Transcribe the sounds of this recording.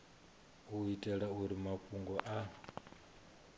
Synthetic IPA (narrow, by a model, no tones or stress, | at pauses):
uitʼɛɺauɾimakʼuŋɡɔʔa